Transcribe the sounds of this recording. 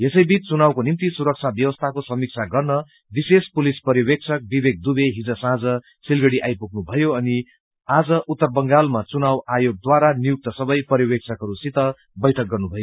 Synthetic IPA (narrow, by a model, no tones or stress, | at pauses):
jesʌjbit͡st͡sunawkonimt̪isuɾʌk̚t͡sʰabjʌwʌst̪ʰakosʌmik̚t͡sʰaɡʌrnʌ | bisespulispʌriwek̚t͡sʰʌk̚bibek̚d̪ubeɦid͡zʌsãd͡zʌ | silɡʌɽiʔajpuk̚ʰnubʱʌjoʌni | ad͡zʌʔut̪ːʌrbʌŋɡalmat͡sunawajoɡ̚d̪waɾanijuk̚t̪ʌsʌbʌjpʌɾjiwekt͡sʰʌkɦʌɾusit̪ʌ | bʌjʈʰʌk̚ɡʌrnubʱʌjo